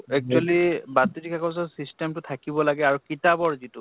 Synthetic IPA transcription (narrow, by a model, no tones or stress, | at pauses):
ɛk̚t͡ʃualibatːidikʰakɔs̬ɔsistɛmtʊtʰakibɔlaɡɛaɹukitabɔɹzitu